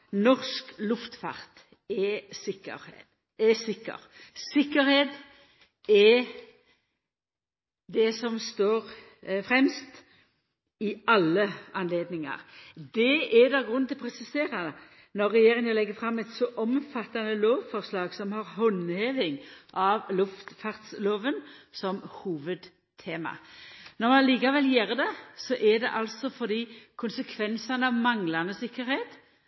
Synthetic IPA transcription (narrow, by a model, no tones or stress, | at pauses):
nɔʁsklʉʊft̪fɑ̰ʁt̪ | ɛsɪkːə̰ɾ | ɛsɪkːə̰ɾ | sɪkːəɾheːd̪ | ɛ | d̪ɛsɔmst̪oːʁ | fɾɛmst̪ | ɪɑlːəɑnleːd̪nɪŋɑ̰ʁd̪ɛɛd̪ɑɡʁʉnʰɪlpʰʁɛsɪseːɾɑ | nɔʁːɛjeːɾɪŋəlɛɡːəfʁɑmːɛt̪sɔʔɔmfɑt̪ːɑnəloːʋfɔʁslɑːɡsɔmhɑʁɦɔnheːʋɪŋʔɑʋlʊft̪fɑʁt̪sloːʋənsɔmhuːʋəd̪ | t̪ʰeːmɑ̰nɔʁmɑnliːkɑʋɛljeːʁd̪ɛsɔʔɛd̪ɛ̰ʔɑlsɔfɔʁd̪iːkʰʊnsəkʰʋɛnsɑnəɑʋmɑŋlɑnəsɪkːəɾheːt̪